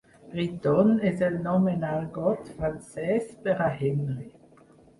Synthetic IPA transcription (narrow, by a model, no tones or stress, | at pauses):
bʁit̪ɔnɛzɛlnɔmenalɡɔt̪fʁansɛspɛʁahɛmle